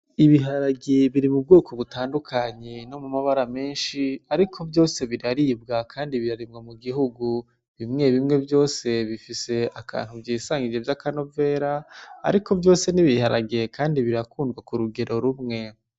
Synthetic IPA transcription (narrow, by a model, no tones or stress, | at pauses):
iβiɦaɾaɡeβiɾimub̚ɡo̞ːko̞βutaːndukʰaɲeno̞mumaβaɾame̞ːnʃiaɾikʰo̞bjo̞ːse̞βiɾaɾiːbɡakʰaːndiβiɾaɾimŋomuɡiɦuɡu | βimŋe̞βimŋe̞bjo̞ːse̞βifise̞akʰa̰ːn̥ubɟiːsaːŋɡid͡ʒevjakano̞ve̞ːɾa̰ːɾiko̞vjo̞ːse̞niβihaɾaɡekʰaːndiβiɾakuːndɡwakuɾuɡe̞ɾʔo̞ɾumŋe̞